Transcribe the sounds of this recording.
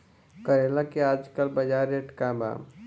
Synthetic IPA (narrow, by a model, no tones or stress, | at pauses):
kəɾeːlakeaːd͡ʒkəlbɐd͡ʒaːɾeːʈkaba̰ː